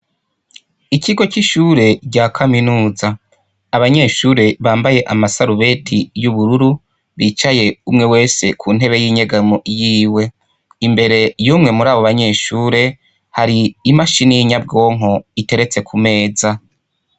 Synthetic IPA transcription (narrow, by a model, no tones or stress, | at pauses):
iciɡo̞ciʃuɾe̞ɾɟaːkʰaminuːzaː | βaɲe̞ːʃuːɾe̞βaːmbaje̞ʔamasaɾuβe̞tʰijuβuɾuɾu | βit͡ʃaje̞umŋe̞we̞ːse̞kʰuːn̥ɦe̞βe̞jiɲeɡamoʔjiːwe̞ | imbe̞ɾe̞juːmŋe̞muɾaːβoβaɲe̞ʃuːɾe̞ | haɾiːmaʃinijiɲab̚ɡo̞ːŋ̥ɦo̞ite̞ɾe̞t͡se̞kʰume̞ːza